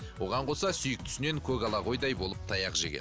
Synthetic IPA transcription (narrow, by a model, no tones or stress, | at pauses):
wo̞ʁɑɴqʰo̞sɑsʏjək̚t̪ʰʏ̥sɪne̞ŋkʲʰɵɡɑlˠɑʁo̞jd̪ɑjbo̞lˠəp̚t̪ʰɑjɑqʒḛkʲḛ